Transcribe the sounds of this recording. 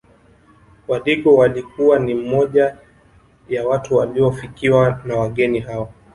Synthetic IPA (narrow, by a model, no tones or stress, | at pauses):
waliɠɔwalikuwanim̩mɔʄa | jawatuwaliɔfikiwanawaɠɛniɦawɔ